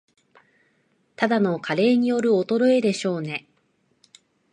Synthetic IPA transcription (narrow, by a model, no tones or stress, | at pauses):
t̪ad̪ano̞kʰaɾe̞ːɲ̟ijo̞ɾɯ̟ot̪o̞ɾo̞e̞d̪e̞ɕo̞ːne̞